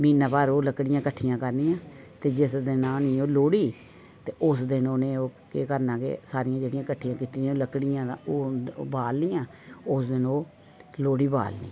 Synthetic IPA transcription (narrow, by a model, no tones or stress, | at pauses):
miːnaːpaːɾoːləkɽɪjãːkəʈʰːɪjãːkəɾnɪjãːt̪eːd͡ʒɪsd̪ɪnãːniːoːloːɽiː | t̪eːʔʊsd̪ɪnoːneːoːkeːkəɾnãːkḛːsaːɾɪjãːd͡ʒeːɽɪijãːkəʈʰːijãːkiːt̪ĩːoːləkɽɪjãːoːbaːlnɪjãː | ʊsd̪ɪnoː | loːɽiːba̰ːlnḭː